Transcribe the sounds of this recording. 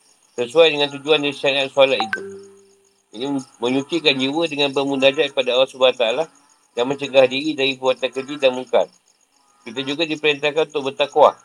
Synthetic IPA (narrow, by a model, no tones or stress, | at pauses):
səsuajdəŋãnt̪̬ud͡ʒuandaɾisanat̪̚sualat̪it̪u | inimə̃ɲũt͡ʃikand͡ʒiwədəŋãnbəmũnad͡ʒaʔ̚padaːwasubaat̪aːla | danmə̃ɲt͡ʃəɡahdiɾidaɾipəɾuat̪ankəd͡ʒidanmuŋka̰n | kit̪ad͡ʒuɡadipəɾint̪̬akanunt̪ʊk̚bərt̪akwa̰